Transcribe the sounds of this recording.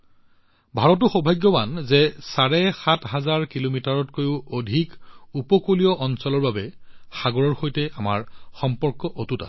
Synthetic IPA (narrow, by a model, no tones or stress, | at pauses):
bʱaɹɔt̬ʊxɔbʱajɡːɔbanzɛsaɹɛxatɦazaɹkilomitaɹɔtkojʊodʱikupɔkolijɔʔɔnsɔlɔɹbabɛxaɡɔɹɔɹxojtɛama̰ɹxɔmpɔɹkɔʔotuta̰s